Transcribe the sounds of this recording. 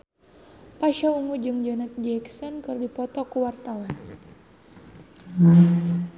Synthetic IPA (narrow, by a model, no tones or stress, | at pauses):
paʃauŋud͡ʒɨŋd͡ʒɔnat̪̚d͡ʒɛksɔnkɨrdipɔt̪ɔkuwart̪awan